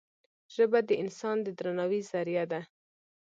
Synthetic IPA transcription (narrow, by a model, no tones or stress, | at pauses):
ʒ̥əbad̪əʔɪnsɑnd̪əd̪ɾanɑwizaɾjad̪a